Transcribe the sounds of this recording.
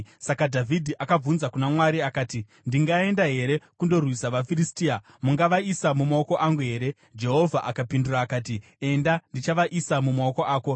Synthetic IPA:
sakadʱavʱidʱiʔakab͡vunzakunamwaɾiakaːti | ndiŋɡae̞ndaɦe̞ɾe̞kundo̞rwisaʋafiɾistia | muŋɡaʋaisamumaoko̞ʔaŋɡuɦe̞ːɾe̞ | d͡ʒe̞ɦo̞vʱaʔakapinduraːkaːt̬i | e̞ndandit͡ʃaʋaʔisamumaoko̞ʔaːko̞

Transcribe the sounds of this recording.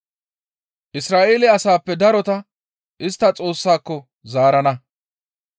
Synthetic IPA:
ʔɪsɾaːʔeːlɪɐsaːpːɛd̪ɐɾɔt̪ɐ | ʔɪst̪ːɐt͡sʼo̞ːsːaːkːɔ | zaːɾɐnɐ

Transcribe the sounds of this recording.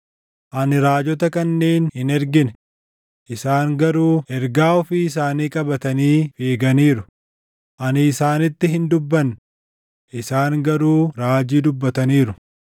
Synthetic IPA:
ʔɐnɪɾaːd͡ʒɔt̪ɐkɐnːe̞ːnhɪnɛɾɡɪnɛ | ʔɪsaːŋɡɐɾuːɛɾɡaːɔfɪɪs̬aːniːkʼɐbɐt̪ɐniːfeːɡɐniːɾʊ | ʔɐnɪːsaːnɪt̪ːɪɦɪnd̪ʊbːɐn | ʔɪsaːŋɡɐɾuːɾaːd͡ʒiːd̪ʊbːɐt̪ɐniːɾʊ

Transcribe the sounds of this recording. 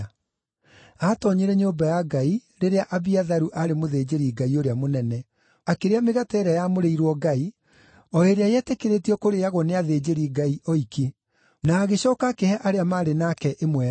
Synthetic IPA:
atɔɲeɾɛɲoːbajaɡaiɾeɾeaʔaβiaðaɾuʔaɾemoðeːd͡ʑeɾiɡaioɾeamonɛnɛ | akeɾeameɣatɛɾajamoɾeiɾwɔɡai | ɔeɾeajɛtekeɾetiɔkoɾejaɣwɔneaðed͡ʑeɾiɡaiʔɔike | naːɣeɕɔːkakehɛʔaɾeamaɾenakɛʔemwɛ

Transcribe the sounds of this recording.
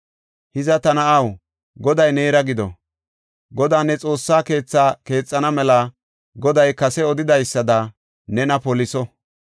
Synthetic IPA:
hɪzɐt̪ɐnɐʔɐw | ɡɔd̪ɐjne̞ːɾɐɡɪd̪ɔ̰ | ɡɔd̪aːnːɛt͡sʼo̞ːsːaːke̞ːt͡sːaːke̞ːt͡sʼːɐnɐmɛlɐ | ɡɔd̪ɐjkɐsɛɔd̪ɪd̪ɐjsːɐd̪ɐ | nɛnɐpɔlɪsɔ

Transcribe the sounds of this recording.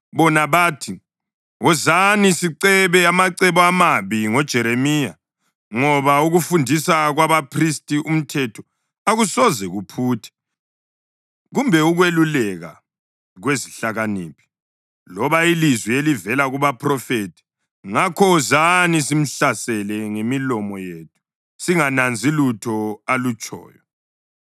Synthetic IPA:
βɔnaβaːtʰi | ɔzanisiǀɛβɛamaǀɛβɔamaβiŋɔd̥ʒ̥ʱɛɾemiːja̰ | ŋɔβauɣufundʱisaɣwaβapʰristʼiʔum̩tʰɛtʰɔ̥ | aɣusɔzɛɣupʰuːtʰɛ̥ | ɣumbʱɛuɣwelulɛɣa̰ | ɣweziɬaɣaniːpʰi̥ | lɔβailizwielivɛlaɣuβapʰrɔfetʰi̥ | ŋakʰɔzanisim̩ɬasɛlɛŋemilɔmɔjeːtʰu̥ | siŋanand͡zʱilutʰɔalut͡ʃʼɔ̰ːjɔ

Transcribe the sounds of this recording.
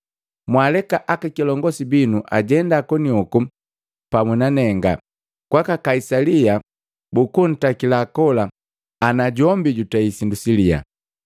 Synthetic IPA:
mwalɛkaʔakakilɔŋɡɔsibinuʔaɟɛndakɔniɔku | pamunanɛŋɡa̰ | kwakakaisalia | bukun̩takilakɔla | anaɟɔmbiɟutaisindusilia̰

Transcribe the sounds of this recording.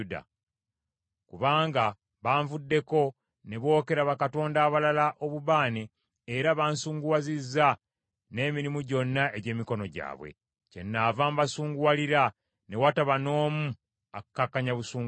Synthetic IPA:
da̰ | kuβaːŋɡa | βaːɱvudːe̞ko̞ | ne̞βo̞ːke̞ɾaβakato̞ːndaːβalalaʔo̞βuβaːneː | ɾaβansuːŋɡuwazizːa | ne̞ːmiɾimuɟo̞nːaeɟe̞ːmiko̞no̞ɟa̰ːβwḛ | cenːavambasuːŋɡuwaliɾa | ne̞wataβano̞ːmu | akːakːaɲaβusuːŋ

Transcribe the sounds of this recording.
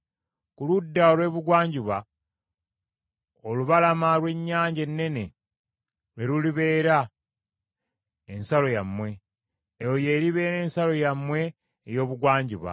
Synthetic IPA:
kuludːaolwe̞ːβuɡwaːɲɟiβa | oluβalamalwe̞ɲːaːɲɟe̞nːe̞ne̞ | lwe̞ɾuliβe̞ːɾa | ensalo̞jamːwe̞ː | joje̞ɾiβe̞ːɾe̞ːnsalo̞jamːwe̞ː | jo̞ːβuɡwaːɲɟiβa̰

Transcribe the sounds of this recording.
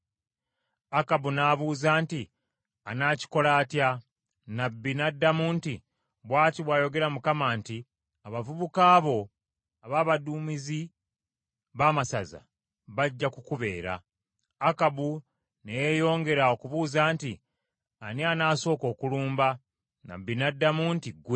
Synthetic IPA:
akabunaːβuːzaːnti | anaːci̥ko̞laːtja | nabːinadːamunti | βwaːtiβwaːjo̞ɡe̞ɾamukamaːnti | aβavuβukaːβo̞ | aβaːβaduːmizi | βaːmasaza̰ | βaɟːakukuβe̞ːɾa̰ː | kabu | nejejo̞ːŋɡe̞ɾao̞kuβuːzaːnti | anianaːso̞ːko̞ːkuluːmba | na̰bːinadːamuntiɡwe

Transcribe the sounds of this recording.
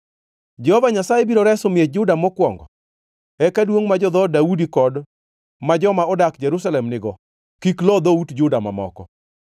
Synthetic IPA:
d͡ʒɛhɔvaɲasajɛbiɾoɾɛsomjed͡ʒʊdamɔkwɔŋɡɔ̰ | ɛkadwoŋmad͡ʒɔd̪ɔdaudikɔd | mad͡ʒɔmaɔdakd͡ʒɛɾusalɛmnɪɡɔ | kiklɔd̪outd͡ʒʊdama̰mɔ̰kɔ̰

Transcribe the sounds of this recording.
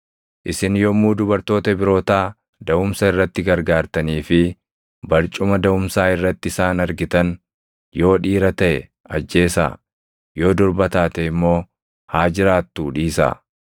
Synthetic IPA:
ʔɪsɪnjɔmːuːd̪ʊbɐɾt̪o̞ːt̪ɐbɪɾo̞ːt̪aː | d̪ɐʊmsɐɪrːɐt̪ːɪɡɐɾɡaːɾt̪ɐniːfɪ | bɐɾt͡ʃʼʊmɐd̪ɐʊmsaːɪrːɐt̪ːɪsaːnɐɾɡɪt̪ɐn | jo̞ːᶑiːɾɐt̪ɐʔɛ | ɐd͡ʒːe̞ːsa̰ː | jo̞ːd̪ɔɾbɐt̪aːt̪ɛɪmːo̞ː | haːd͡ʒɪɾaːt̪ːuːᶑiːsa̰ː

